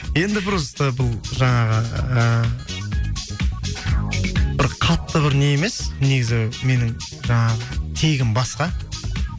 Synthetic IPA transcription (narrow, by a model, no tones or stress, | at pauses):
je̞nd̪ɪbɪɾəzt̪əbʊlˠʒɑɴɑʁəə | b̥ɪɾqʰɑt̪ːəbɪɾne̞jeme̞sne̞ɡʲɪzɪme̞nɪŋ | ʒɑɴɑʁət̪ʰe̞ɡʲɪmbɑsqɑ